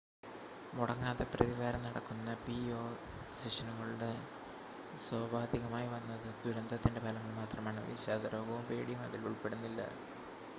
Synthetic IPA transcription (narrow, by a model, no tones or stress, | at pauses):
muɽɐŋːaːðeprɐðiʋaːɾɐmnɐɽɐkːunːɐpioː | siʂɐnuŋːɐɭuɽe | swaːbʱaːd̪ʱiɣɐmaːjiʋɐnːɐðɨɡ̪uɾɐnd̪ɐt̪ːinde̞pʰɐlɐŋːɐɭmaːt̪rɐmaːɳɨʋḭːɕaːd̪ɐɾo̞ːɡɐʋumpeːɽijumɐ̰ðiluɭpe̞ɽunːilːɐ̰